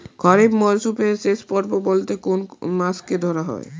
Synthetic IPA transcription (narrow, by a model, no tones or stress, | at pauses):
ɡʰʱɔɾibmɔɾsupeɾʃeʃpɔɾbobolt̪ekonmasked̪ʱɔɾaɦɔ̰e